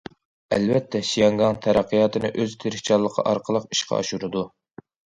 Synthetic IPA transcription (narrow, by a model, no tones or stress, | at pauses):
ɛ̰lvɛt̪ʰːɛʃijɑŋɡɑŋt̪ʰæɾæqʰːijɑːt̪ʰɨnɨʔøzt̪ʰeɾɪʃt͡ʃʰɑlˠːəqʰɑ̰ʔɑɾqʰəlˠəqi̥ʃqʰɑ̰ɑ̰ʃunɨd̪u